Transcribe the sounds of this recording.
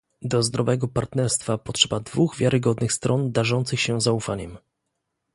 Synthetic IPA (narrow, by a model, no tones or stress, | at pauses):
d̪ɔzd̪ɾɔvɛɡɔpaɾt̪nɛɾst̪fapɔtʂɛbad̪vuɣvʲjaɾʔɘɡɔd̪nɘxst̪ɾʔɔnd̪aʐɔnt̪sɘxɕɛzaufaɲɛm